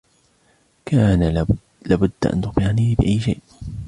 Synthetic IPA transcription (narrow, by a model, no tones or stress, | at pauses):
kʰaːna | laːbʊd̪ːaʔa̰nt̪ʊxbɪʕaniːbɪʔajːʃa̰jʔ